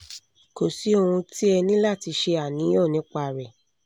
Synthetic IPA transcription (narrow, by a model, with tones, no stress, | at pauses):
ko˨si˨˦o˧ɾũ˧ti˦ɛ˧nĩ˦la˦˨ti˧ʃe˧a˨nĩ˨˦jɔ˦˨nĩ˨˦k͡pa˧˨ɾɛ˨